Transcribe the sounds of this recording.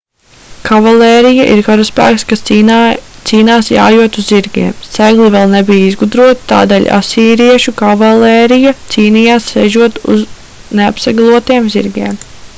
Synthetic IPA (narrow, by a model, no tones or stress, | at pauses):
kʰavalɛːɾija̰ʔiɾkaɾuspæ̰ːkskas | t̪siːnaːsja̰ːjuɔt̪uzziɾɡḭɛmst̪ɛɡlˠivɛlˠnɛbijizɡud̪ɾuɔt̪i̥t̪a̰ːd̪eːlʲa̰siːɾiɛʃukavalɛːɾijɐt̪siːnijaːssɛʒuɔt̪ṵz | neapsaɡalˠuɔt̪iːɛmzḭɾɡʲiɛm